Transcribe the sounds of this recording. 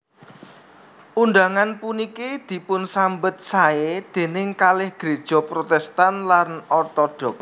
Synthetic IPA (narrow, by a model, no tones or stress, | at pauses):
ʔunɖ̪aŋanpunikid̪̥i̤pʊnsambət̪̚saed̪̥e̤nɪŋkalɪhɡ̥ɾe̤d̥ʒ̥ɔ̤pɾot̪ɛst̪anlanɔt̪ɔɖ̥ɔ̤k̚